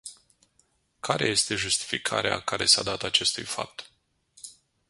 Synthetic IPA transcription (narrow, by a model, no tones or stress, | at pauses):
kʰaɾe̞je̞st̪e̞ʒust̪i̥fikʰa̰ɾea̰kaɾe̞sad̪at̪at͡ʃe̞st̪ujfa̰p̚t̪